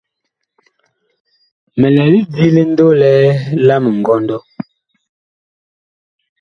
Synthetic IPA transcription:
mɛ˨lɛ˨li˦di˦le˦n̩˦do˦lɛ˦la˦mə˨ŋ̩˨ɡɔ˦ndɔ˦

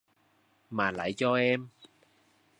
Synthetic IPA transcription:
maː˨˩la̰˧˨˩jt͡ɕɔ˧ʔɛː˧m

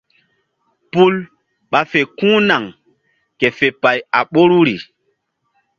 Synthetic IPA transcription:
pu˦l | ɓa˨fe˨kũː˦na˨ŋ | ke˨fe˨pa˨ja̰˨ɓo˦ɾu˦ɾi˨

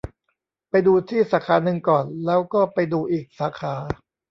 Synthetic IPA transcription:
pa˧jduː˧t̪ʰiː˥˩saː˩˦kʰaː˨˥nɯ˧ŋkɔː˨˩nlɛː˦˥wkɔː˥˩pa˧jduː˧ʔiː˨˩k̚saː˩˦˥kʰaː˩˦

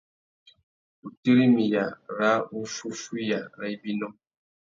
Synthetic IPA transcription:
u˨te˦ɾi˦mi˨ja˨ɾa˦u˦fu˦fu˦ja˨ɾa˦i˦bi˦nɔ˦

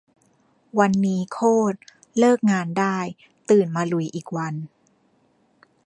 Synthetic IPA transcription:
wa˧nːiː˦˥kʰoː˥˩t̪̚ | lɤː˥˩k̚ŋaː˧ndaː˥˩j | t̪ɯː˨˩nmaː˧lu˧˩jʔiː˨˩k̚wa˧n

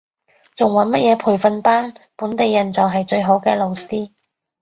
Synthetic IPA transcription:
t͡sʊ˨˩ŋwɐ˨˥nmɐ˥t̚jɛː˨˧pʰuː˨˩jfɐ˨˧npaː˥npuː˨˥nt̪e˨jːɐ˨˩nt͡sɐ˨wɦɐ˨jt͡ʃɵ˧ɥɦo˨˥wkɛː˧lo˨wsiː˥

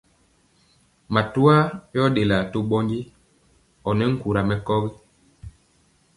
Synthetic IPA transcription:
ma˨tu˦a˦jɔ˦de˨la˨to˦ɓɔ˦ŋɡi˦ | ɔ˨nɛ˦ŋ̩˦ku˨ɾa˨mɛ˨kɔ˦ɣi˦

